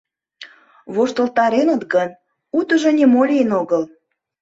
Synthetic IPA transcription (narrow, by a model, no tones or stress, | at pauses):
βoʃt̪əlt̪ɑɾenət̪ɡən | ut̪əʒŏnʲemolʲenoɣəl